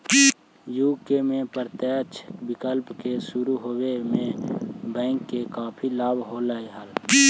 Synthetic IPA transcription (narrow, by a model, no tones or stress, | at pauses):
juːkemẽpəɾt̪eːt͡ʃbɪkəlpkesʊɾuɦoːwemẽbɛ̃ːŋkːekaːpʰilaːbɦolaːeɦəl